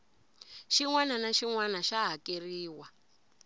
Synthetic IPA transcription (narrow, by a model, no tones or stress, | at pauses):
ʃiŋwananaʃiŋwanaʃaɦakeriːwa